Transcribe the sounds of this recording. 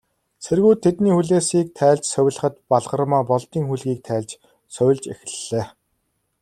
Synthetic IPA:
sʰerɣuːt̪ʰːet̪niːxuɮeːsiːk̚t̪ʰæːɮt͡ɕsœw̆ʲɮə̆χə̆t̪̚paɮʁə̆rmɔːpɔɮt̪iːŋxuɮɣiːk̚t̪ʰæːɮt͡ɕ | sœw̆ʲɮt͡ɕex̆ɮeː

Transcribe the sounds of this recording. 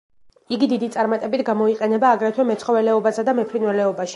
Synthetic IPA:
iɡid̪id̪it̪sʼaɾmat̪ʼɛbit̪ʰɡamɔiqʼɛnɛbaːɡɾɛt̪ʰwɛmɛt̪sʰχɔvɛlɛɔbasad̪amɛpʰɾinwɛlɛɔbaʃi

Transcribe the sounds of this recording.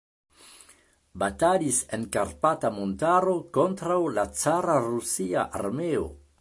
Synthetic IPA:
batalisenkaɾpatamontaɾo̞ko̞ntɾawlat͡saɾaɾusia̰ʔa̰ɾmeo̰

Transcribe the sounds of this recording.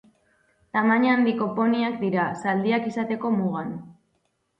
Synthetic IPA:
t̪amaɲaːnd̪iko̞po̞niakd̪iɾasald̪iakisat̪e̞ko̞muɣ̞an

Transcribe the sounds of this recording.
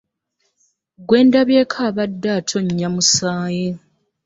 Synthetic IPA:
ɡwe̞ːndaβjeːkʰaːβadːaːtʰo̞ɲːamusaːje

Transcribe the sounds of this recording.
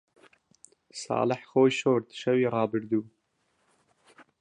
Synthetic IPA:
sɑ̰ːləħxoːjʃoːɾd̪ɨ̥ʃɛwiːɾɑːbɨɾd̪uː

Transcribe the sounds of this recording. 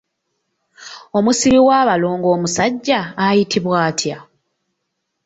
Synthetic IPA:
o̞musiɾiwaːβaloːŋɡo̞ːmusaɟːaːjitʰiβwaːtʰja

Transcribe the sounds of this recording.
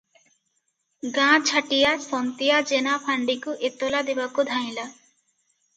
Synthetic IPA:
ɡãt͡ʃʰaʈijasɔnt̪ijad͡ʒenapʰaɳɖikuʔet̪olad̪ebakud̪ʱaj̃la

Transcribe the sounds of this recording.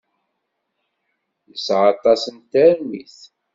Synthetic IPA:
jəsʕɑt̪ˤɑsənt̪æɾniθ

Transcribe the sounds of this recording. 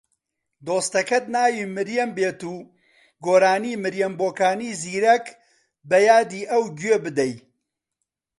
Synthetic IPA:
d̪oːst̪ɐkɐt̪̚naːjiːmɨɾjɛmbeːt̪uː | ɡoːɾaːniːmɨɾjɛmboːkaːniːziːɾɐk | bɐjaːd̪iːʔɐwɡɥeːbɨd̪ɛj

